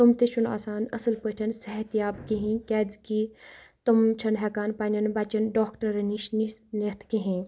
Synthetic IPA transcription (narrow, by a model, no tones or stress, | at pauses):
t̪umt̪eʃuna̰ːsaːnɐsɐlpəʈʰɐnsɐɦɐt̪ijaːbkiɦĩkɛːd͡zkiːt̪ɐmt͡ʃʰɐnɦɛkaːnpanʲɐnbaːt͡ʃɐnɖaːkʈɐɾɐniʃninit̪ʰkeɦĩ